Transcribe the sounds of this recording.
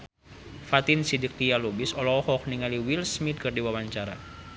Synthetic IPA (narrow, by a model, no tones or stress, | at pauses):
fat̪insidik̚tijalubisɔlɔɔhɔk̚niŋaliwilsmit̪̚kɨrdiwawaɲt͡ʃaɾa